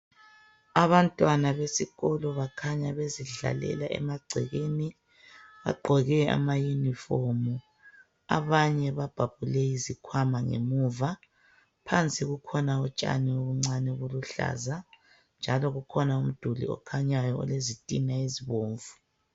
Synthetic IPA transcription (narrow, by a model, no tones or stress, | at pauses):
aβantʼwanaβesiɣɔlɔβakʰaɲaβeziɮa̰lɛ̰laʔɛ̰maɡ͡ǀʱɛɣeni | βa̰ɡ͡ǃʱɔɣɛa̰majunifomu | a̰βaɲɛβab̥ʱapulɛizikʰwamaŋḛmuva | pʰant͡sʼiɣukʰɔnaɔt͡ʃʼa̰nioβuŋ͡ǀanɛɣuluɬa̰za | nd͡ʒʱalɔɣukʰɔnaum̩d̥ʱulḭɔ̰kʰaɲajɔɔ̰lezitʼinaiziβoːɱvu